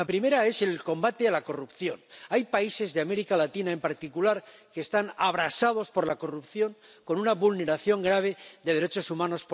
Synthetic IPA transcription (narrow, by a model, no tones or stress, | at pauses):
apɾime̞ɾae̞se̞lko̞mbat̪e̞alako̞rupθjo̞najpaise̞zðeame̞ɾikalat̪inaempaɾt̪ikulaɾke̞ːst̪anaβɾasað̞o̞spo̞ɾlako̞rupθjo̞ŋ | ko̞nunaβulne̞ɾaθjo̞ŋɡɾaβ̞e̞ðe̞ð̞eɾe̞t͡ʃo̞sumãno̞sp